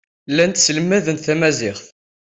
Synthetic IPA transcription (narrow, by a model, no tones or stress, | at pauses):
lːænt̪sələmːæðənθæmæzɪχθ